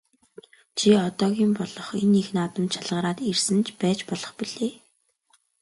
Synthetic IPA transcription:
t͡ɕʰiɔt̪ɔːɣʲiːmpɔɮɞ̆χenixnaːt̪ɞ̆mt͡ɕʰaɮʁəːɾaːt̪ersɘ̆nt͡ɕpæːt͡ɕpɔɮɞ̆χpiɮ̥eː

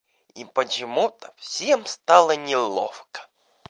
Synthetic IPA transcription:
ipət͡ɕɪmut̪əfsʲemst̪alˠɐnʲɪlˠɔ̰fkə̥

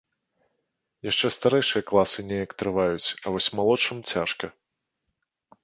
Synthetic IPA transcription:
jaʂt͡ʂɛst̪aɾɛjʂɨjɐklˠasɨnʲɛjɐkt̪ɾɨvajut͡sʲɐvɔsʲmalˠɔt͡ʂɨmt͡sʲaʂkɐ

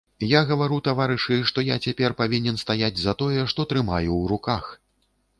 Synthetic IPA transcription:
jaɣɐvaɾut̪avaɾɨʂɨʂt̪ɔjat͡sʲapʲɛrpavʲinʲɛnst̪ajad͡zʲzɐt̪ɔjɛʂt̪ɔt̪ɾɨmajuwɾukax

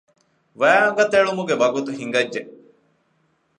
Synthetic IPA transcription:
ʋæaɡɐt̪eɭumuɡebɐɡut̪uɦiŋɡɐd͡ʒːe

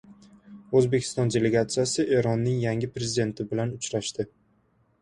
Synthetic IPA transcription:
ɵzbe̞kʲʰɪ̥st̪ɒnd̪ʲe̞le̞ɡat̪sɨjasɪʔe̞ɾɒnːɪŋjaŋɪpɾezʲɪd̪e̞nt̪ʰɪbɪlanʊt͡ʃɾaʃt̪ɪ

